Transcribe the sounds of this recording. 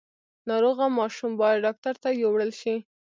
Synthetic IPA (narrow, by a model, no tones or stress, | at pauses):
nɑɾoɣamɑʃumbɑjad̪̚ɖɑk̚t̪aɾt̪ajowɽəlʃi